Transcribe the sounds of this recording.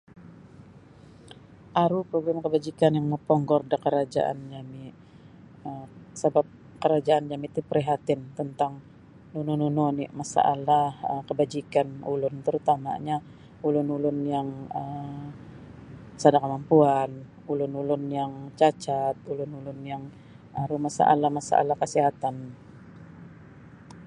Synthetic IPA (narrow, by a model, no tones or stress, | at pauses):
ʔaɾupɾoɡɾamkəbad͡ʒikanjaŋməpɔŋɡɔrdakəɾad͡ʒa̰ʔa̰nd͡ʒami | əsəbap̚ | kəɾad͡ʒaʔand͡ʒamit̪ipəɾiɦat̪ɪnt̪ənt̪aŋ | nunununoniʔmasa̰ʔa̰lahəkəbad͡ʒikanulʊnt̪əɾut̪ama̰ɲa | ulʊnulʊnjaŋəm | sadakəmampuan | ulʊnulʊnjaŋt͡ʃat͡ʃat̪̚ulʊnulʊnjaŋ | aɾumasa̰ʔa̰lahmasa̰ʔa̰lahkəsiɦat̪an